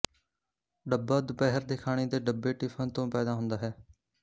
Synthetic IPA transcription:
ɖəbːaːd̪bɛːɦəɾd̪ekʰaːɽ̃iːd̪eːɖəbːeːʈiːfʰənt̪õːpɛːd̪aːɦʊ̃nd̪aːɦɛː

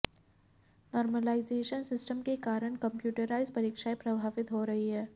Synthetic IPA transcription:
nɔːɾməlaːɪzeːʃənsɪsʈəmkekaːɾəɽ̃kɐ̃mpjuːʈəɾaːɪzpɐɾiːkʃaepɾɐbʱaːʋɪt̪ɦoɾɐɦiɦɛː

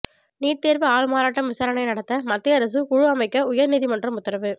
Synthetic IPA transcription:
niːʈt̪eːɾʋɯaːɻɯmaːɾaːʈːɐmʋɪsaːɾɐnɐɪnɐɽɐt̪ːɐmɐt̪ːɪɐɾɐs̬ɯkʊɻʊɐmɐɪkːɐʊjɐɾniːðimɐndrɐmʊt̪ːɐɾɐʋɯ

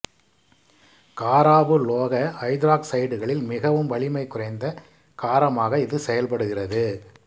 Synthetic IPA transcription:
kaːɾaːʋɯloːɣɐɐɪd̪ɾaːksɐɪɽɯɣɐɭɪlmɪɣɐʋɯmʋɐɭɪmɐɪkʊrɐɪnd̪ɐ | kaːɾɐmaːɣɐɪðɯsɛjɐlpɐɽɯɣɪrɐðɯ

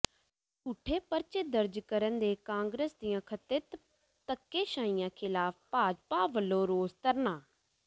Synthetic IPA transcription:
suːʈʰeːpəɾt͡ʃeːd̪əɾd͡ʒkəɾənd̪eːkãːŋɡɾəsd̪ijãːkʰət̪ɪt̪ | t̪əkːeːʃãːijãːkʰɪlaːpʰpaːd͡ʒpaːʋəlːõːɾoːzt̪əɾnãː

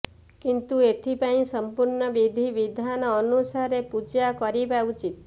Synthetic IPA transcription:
kint̪uet̪ʰipaĩsəmpuɾɳɔbid̪ʱiʋid̪ʱanɔːnusaɾepud͡ʒakɔɾibaut͡ʃit̪

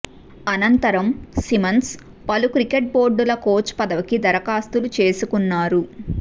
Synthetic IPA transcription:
ɐnɐnt̪ɐɾɐmsimɐns | pɐlukɾikeʈ̚bo̞ːɾɖulɐko̞ːt͡ʃːpɐd̪ɐʋɐkid̪ɐɾɐkaːst̪ulut͡ʃe̞ːsukunːaːɾu

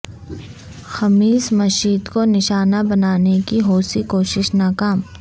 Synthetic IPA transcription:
xɐmiːsmɐʃiːd̪konɪʃaːnabɐnaːnekiɦoːsikoːʃɪʃnaːkaːm

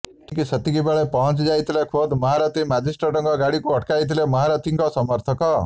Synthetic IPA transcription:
ʈikisʌt̪iɡibaɭepʌɦʌnt͡sd͡zajt̪lekʰod̪mʌɦaɾʌt̪imad͡zisʈraʈʌŋɡʌɡaɽikoɦʌʈkajt̪ilemʌɦaɾʌt̪iŋkʌsʌmʌɾt̪ʰʌkʌ

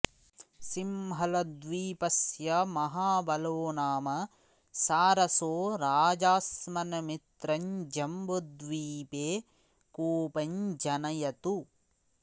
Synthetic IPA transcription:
simɦɐlɐd̪ʋiːpɐsjɐmɐɦaːbɐloːnaːmɐ | saːɾɐsoːɾaːd͡ʒaːsmɐnɐmit̪ɾɐɲd͡ʒɐmbod̪ʋiːpeː | koːpɐɲd͡ʒɐnɐjɐt̪u

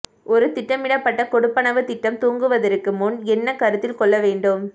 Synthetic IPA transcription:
ʔɔɾɯt̪ɪʈːɐmɪɽɐpːɐʈːɐkɔɽɯpːɐnɐʋɯt̪ɪʈːɐmt̪uːŋɡɯʋɐðɐɾɯkːɯmʊnɛnːɐkɐɾɯt̪ːɪlkɔɭːɐʋeːɳɖɯm

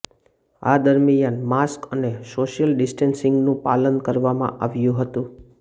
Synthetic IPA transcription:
a̰d̪əɾmijanmaskənesoʃijəlɖɪsʈensɪ̃ŋɡnũpalənkəɾʋamã̰ʔaʋjũɦət̪ũ

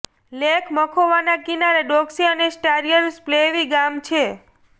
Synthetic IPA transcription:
lekʰməkʰoʋanakinaɾeɖoksiənesʈaɾijəɾspleʋiɡamt͡ʃʰe

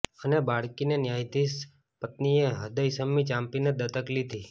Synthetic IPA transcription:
ənebaɽkinenjajd̪is | pət̪nieɦəd̪əjsəmːit͡ʃãmpined̪ət̪əklid̪ʱi

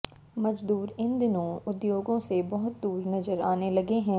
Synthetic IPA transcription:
mɐd͡ʒd̪uːɾɪ̃nd̪ɪnõʊd̪joːɡõsebɐɦʊt̪̚d̪uːɾnɐzəɾaːnelɐɡeɦɛ̃ː

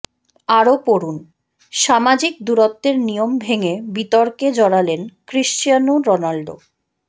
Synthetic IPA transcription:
aɾopoɾun | ʃamad͡ʑik̚d̪uɾot̪ːeɾnijombʱeŋebit̪ɔɾked͡ʑɔɽalenkɾiʃt͡ɕijanuɾɔnalɖo̰

